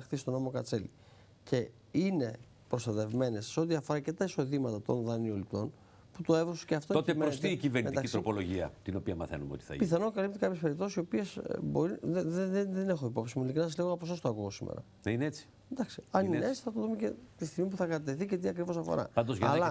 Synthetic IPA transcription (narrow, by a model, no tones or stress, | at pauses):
xθist̪o̞no̞mo̞kɐt͡selḭ | ce̞ | ine̞ | pɾost̪ɐt̪e̞vme̞nesːe̞o̞t̪iɐfo̞ɾɐce̞t̪ɐiso̞ðimɐt̪ɐt̪o̞̰nðɐnio̞lit̪o̞n | put̪o̞evɾosu̥ceɐft̪oot̪emɾost̪iːciveɾnimed̪iɐkist̪ɾopo̞lo̞ʝiɐ̰t̪ino̞piɐmɐ̰θenumeot̪i̥θɐ̰piθɐnokɐlipt̪ekɐpçespe̞ɾip̚t̪osisio̞piesboɾiðeðeðene̞xo̞ipo̞psimulikɾnɐsɐzliɣoɐposost̪oɐkuɣosimḛɾɐ̰ | ðnineet͡si̥ | nd̪ɐksi̥ɐnineet͡si̥θɐt̪oðumecet̪ist̪iɣmip̬uθɐkɐɐt̪eθice̞t̪iɐkɾivo̞sɐfo̞̰ɾɐ̰ɐnd̪ozʝɐɐllɐ